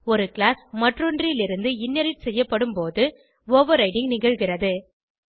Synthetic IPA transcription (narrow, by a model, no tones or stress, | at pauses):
ɔɾɯkɭaːsmɐʈrɔndrɪlɪɾɯnd̪ɯɪnːɐɾɪʈsɛjːɐpːɐɽɯmpoːðɯ | ʋoːʋɐɾɐɪʈɪŋɡnɪɣɐɻɣɪrɐðɯ